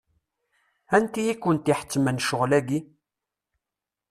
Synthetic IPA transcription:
ænt̪ijikːənt̪iħə̥t͡sːmənʃʊʁlæɡi

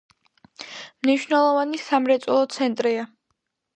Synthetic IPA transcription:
mniʃvnɛlˠɔvanisamɾɛt̪sʼɛlˠɔt̪sʰɛnt̪ʼɾia

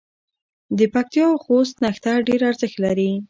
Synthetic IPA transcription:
d̪əpak̚t̪ijɑwxos̬t̪naxt̪aɖeɾaɾzəxt̪laɾi

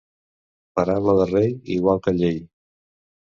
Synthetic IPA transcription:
pəɾaβləðərejiɣwalˠkəʎej

